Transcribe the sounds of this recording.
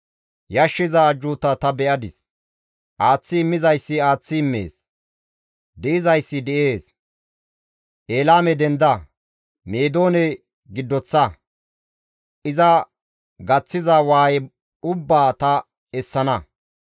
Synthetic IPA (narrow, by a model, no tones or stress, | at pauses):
jɐʃːɪzɐd͡ʒuːt̪ːɐt̪ɐbɛʔɐd̪ɪs | ʔaːt͡sːɪːmːɪzɐjsːɪaːt͡sːɪːmːḛːs | d̪ɛɪzɐjsːɪd̪ɛʔe̞ːs | ʔeːlaːmɛd̪ɛnd̪ɐ | meːd̪o̞ːnɛ | ɡɪd̪ːɔt͡sːɐ | ʔɪzɐ | ɡɐt͡sːɪzɐwaːj | ʊbːaːt̪ɐ | ɛsːɐnɐ